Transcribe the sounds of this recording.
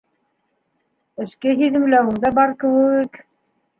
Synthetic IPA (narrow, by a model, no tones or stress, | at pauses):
ɘ̆ʃkɘɦiðɘ̆mlæwɘ̆ŋd̪ɑbɑɾkɘ̆wɘk